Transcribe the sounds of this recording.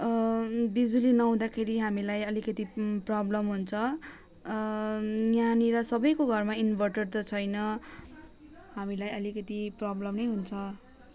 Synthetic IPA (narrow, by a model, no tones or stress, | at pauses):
bid͡zulinʌw̃d̪akʰeɾiɦamilajʌlikʌt̪iprʌblʌmɦunt͡sʰʌ | jjaniɾʌsʌbʌjkoɡʱʌrmainbʱʌrʈʌɖ̚t̪ʌt͡sʰʌjnʌ | ɦamilajʌlikʌt̪iprʌblʌmnʌjɦunt͡sʰʌ